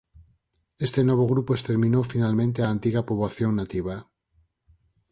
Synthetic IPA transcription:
est̪enoβ̞oɣ̞ɾupoest̪eɾmĩnowfinalmẽnt̪̬eaːnt̪iɣapoβaθjoŋnat̪iβa

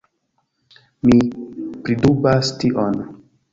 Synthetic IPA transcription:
mipɾidubastiʔon

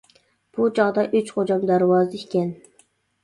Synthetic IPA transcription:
b̥ut͡ʃʰɑʁd̪ɑʔyt͡ʃχod͡ʒɑmd̪æɾwɑːzɨikʲɛn

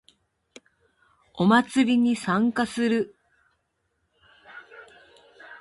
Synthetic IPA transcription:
o̞mat͡sɨɾʲiɲ̟isãŋkasɨɾɯ̟

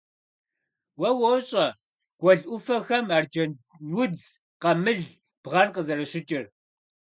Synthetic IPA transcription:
wɐwoɕʼɐ | ɡ̥ʷɔɮʔʷʊfɐxɐmard͡ʒɐ | wʊd͡z | qɐmɨɮ | b̥ʁɐnqəzɐɾɐɕɪt͡ʃʼɪr

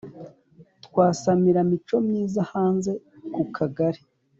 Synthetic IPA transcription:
tkwaːsamiɾamit͡ʃo̞mɲiːzahaːnze̞ | kukʰaɡaɾi

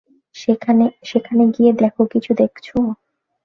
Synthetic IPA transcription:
ʃekʰaneʃekʰaneɡied̪ɛkʰokit͡ɕʰud̪ekʰt͡ɕʰo

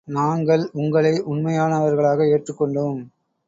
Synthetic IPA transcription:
naːŋɡɐɭʊŋɡɐɭɐɪʔʊɳmɐjaːnɐʋɐɾɣɐɭaːɣɐeːʈrɯkːɔɳɖɯːm

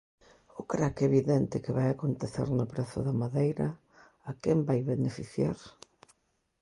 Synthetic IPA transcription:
ʊkɾakɛeβiðɛnt̪ɪkɪβajakont̪eθḛɾnʊpɾɛθʊ̰ðɐmaðejɾɐ | akɛmbajβenefiθjaɾ

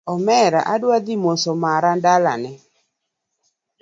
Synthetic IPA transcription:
ɔmɛɾa̰ʔadwad̪imosomaɾandala̰nɛ

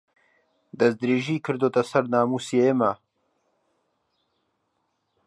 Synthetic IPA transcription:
d̪ɐsd̪ɾeːʒiːkʰɨɾd̪oːt̪ɐsɐɾnaːmuːsjeema

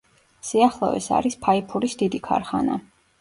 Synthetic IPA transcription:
siaχlˠɔ̰ɛ̰sa̰ɾispʰaipʰuɾisd̪id̪ikʰa̰ɾχana

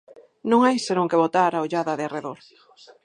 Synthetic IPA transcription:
nõŋajsenõŋkeβot̪aɾaoʎaðɐðeareðoɾ

